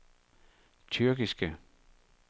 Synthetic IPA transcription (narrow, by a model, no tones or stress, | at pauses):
t͡sʰyɐɡ̥isɡ̥ə